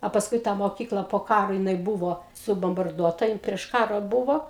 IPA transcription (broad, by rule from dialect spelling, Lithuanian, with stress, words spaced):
ɐ pɐsˈkʊɪ ˈtɑː moːˈkʲiːklˠɐ poː ˈkɑːroː jɪˈnɐɪ ˈbʊʋoː sʊboːmbɐrˈduɔtɐ ˈjɪn pʲrʲiɛʃ ˈkɑːroː ˈbʊʋoː